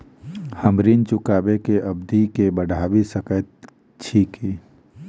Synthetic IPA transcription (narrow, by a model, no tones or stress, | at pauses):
həmɾint͡ʃʊkaːbekeʔɐbd̪ʱikebəɽʱaːbisəkət̪̚ | t͡ʃʰiːki